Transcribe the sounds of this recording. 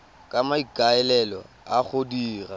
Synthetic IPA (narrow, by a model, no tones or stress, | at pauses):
kʼamaikʼaɛlɛlɔ̰ | aχʊdiːra̰